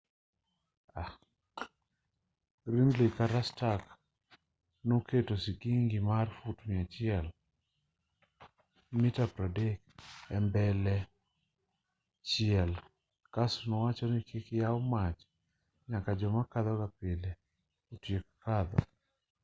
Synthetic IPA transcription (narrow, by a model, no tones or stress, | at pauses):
a | ɡɾindlikaɾastak | noketosikiŋɡɪmarfutmɪat͡ʃɪɛl | mitapɾadekɛmbɛlɛ | t͡ʃɪɛl | kasunɔwat͡ʃɔnikʰɪkjaɔmat͡ʃ | ɲakad͡ʒɔmakad̪ɔkapɪle | otjekkad̪ɔ̰